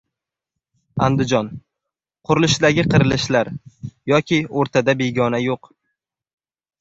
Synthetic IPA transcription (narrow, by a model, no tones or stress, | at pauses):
a̰nd̪ɪd͡ʒɒn | qʰʊɾɪlɪʃd̪aɡʲɪqʰɨɾɪlɪʃlaɾjɒkʲʰɪoɾt̪ʰad̪abeɡʲɒnajoq